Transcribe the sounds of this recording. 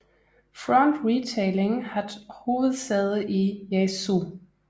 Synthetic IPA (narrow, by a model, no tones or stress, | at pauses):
fʁɔnd̥ʁit͡sʰeɪleŋhæðho̝ːʋð̩ˠseðˠijesu